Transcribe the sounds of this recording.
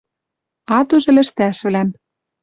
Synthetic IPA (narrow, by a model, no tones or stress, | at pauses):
ɑt̪uʒɘ̆lɘ̆ʃt̪æʃβlæm